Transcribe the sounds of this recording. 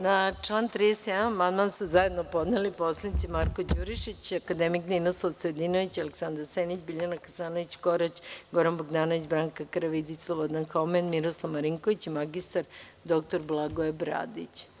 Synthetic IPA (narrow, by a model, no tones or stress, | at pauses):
nat͡ʂlˠaːnt̪ɾid̪esjed̪anmanmansuzaje̞d̪nopo̞d̪neliposlˠanit̪simaɾkod͡ʑuɾiʃit͡ɕakad̪emikninoslˠaʋsɾed̪inoʋit͡ɕaleksand̪aɾsenit͡ɕbiʎanakasaːnoʋit͡ɕko̞ɾat͡ɕɡoɾanboɡd̪aːnoʋit͡ɕbɾaːŋkakɾaʋid̪it͡ɕslˠobod̪anxomenmiɾoslˠaʋmaɾiŋkoʋit͡ɕimaɡist̪aɾ | d̪o̞k̚t̪oɾblˠaɡoebɾa̰d̪ḭt͡ɕ